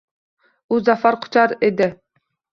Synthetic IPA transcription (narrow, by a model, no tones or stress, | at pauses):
uzafaɾqʰʊ̥t͡ʃʰɑɾed̪ɪ